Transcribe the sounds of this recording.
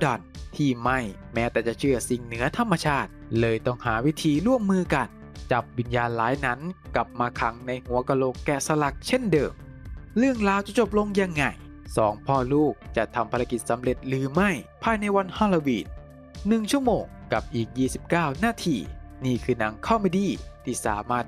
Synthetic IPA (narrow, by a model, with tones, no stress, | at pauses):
dɔ˨˩nt̪ʰiː˧˩ma˥˩jmɛː˦˥t̪ɛː˨˩t͡ɕa˨˩t͡ɕʰɯ˥˩ɐsi˨˩ŋnɯ˩˦ɐt̪ʰa˧mːa˧t͡ɕʰaː˥˩t̪̚lɤː˧jt̪ɔ˥˩ŋhaː˩˦wi˦˥t̪ʰiː˧ɾu˥˩əmːɯː˧ka˧˩n | t͡ɕa˨˩p̚wi˧njaː˧nlaː˨˦jna˦˥nka˨˩p̚maː˧kʰa˩˦ŋna˧jhu˩˦ɐka˧loː˨˩kːɛː˨˩sa˧la˨˩k̚t͡ɕʰe˥˩ndɤ̰ː˨˩m | lɯ˥˩əŋɾaː˧wt͡ɕa˨˩t͡ɕo˨˩p̚lo˧ŋja˧ŋːa˧˩j | sɔː˩˦ŋpʰɔː˧˩luː˥˩k̚t͡ɕa˨˩t̪ʰa˧mpʰa˧ɾa˧˥ki˨˩t̪̚sa˨˦mɾe˨˩t̪̚ɾɯː˩˦ma˥˩jpʰaː˧jna˧jwa˧nhɔ˧lo˧wiː˨˩t̪̚ | nɯ˨˩ŋt͡ɕʰu˥˩əmoː˨˩ŋka˨˩p̚ʔiː˨˩k̚jiː˥˩si˨˩p̚kaː˥˩wnaː˧˩t̪ʰiː˧niː˥˩kʰɯː˧na˨˦ŋkʰa˥˩wma˥˩jdiː˧˥˩t̪ʰiː˥˩sa̰ː˩˦maː˥˩t̪̚